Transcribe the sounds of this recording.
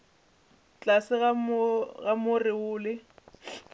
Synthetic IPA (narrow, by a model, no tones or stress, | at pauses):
t͡ɬʼasɪɣaɣamʊrɪʊːlɪ